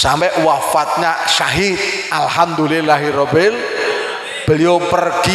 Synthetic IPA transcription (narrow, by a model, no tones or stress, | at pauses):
sampɛʔwafat̪̚ɲaʃaɦit̪̚ʔalhamd̪ulilaɦiɾɔbɪl | b̥əliopərɡ̥i